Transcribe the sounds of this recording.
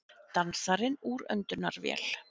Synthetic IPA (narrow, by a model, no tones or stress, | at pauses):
t̪ansaɾɪnuɾœ̰nt̪ʏnaɾvjɛ̰ːl̥